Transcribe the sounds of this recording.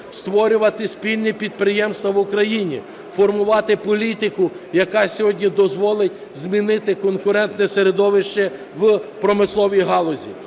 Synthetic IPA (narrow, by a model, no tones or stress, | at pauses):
st̪ʋɔɾʲʊʋɐt̪ɪsʲpʲilʲnʲipʲid̪̚pɾɪjɛmst̪ʋɐʋʊkɾɐjinʲḭ | fɔrmʊʋɑt̪ɪpɔlʲit̪ɪkʊ | jɐkɑsʲɔɦɔdʲnʲid̪ɔzʋɔlˠɪtʲ | zmʲinɪt̪ɪkɔnkʊɾɛnt̪nɛseɾed̪ɔʋɪʃt͡ʃɛ | ʋpɾɔmɪslˠɔʋʲijɦɑlˠɔzʲḭ